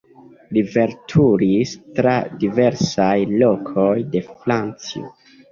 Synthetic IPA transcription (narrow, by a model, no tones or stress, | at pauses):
live̞ɾtʰuɾistɾadive̞ɾsajlo̞kʰojde̞flant͡sḭo̰